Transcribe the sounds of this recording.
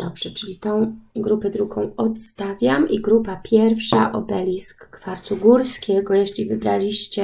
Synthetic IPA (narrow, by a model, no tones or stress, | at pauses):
d̪ɔbʐ̥ɛt͡ʂɘlʲit̪ɔ̃w̃ɡɾupɛd̪ɾuɡɔ̃w̃ɔt̪st̪avʲjamiɡɾupapʲjɛɾfʂaʔɔbɛlʲiskːfaɾt̪uɡuɾskʲɛɡɔjeɕlʲivɘbɾalʲiɕt͡ɕɛ